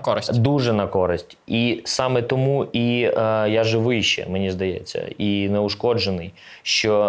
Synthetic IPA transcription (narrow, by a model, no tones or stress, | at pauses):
kɔɾɪsʲd̪uʒɛnɐkɔɾɪsʲtʲisɑmɛt̪ɔmuʔijaʒɪʋɪjʃt͡ʃɛ̰menʲizd̪ɐjɛ̰t͡sʲːɐ̰inɛʊʃkɔd͡ʒenɪj | ʃt͡ʃɔ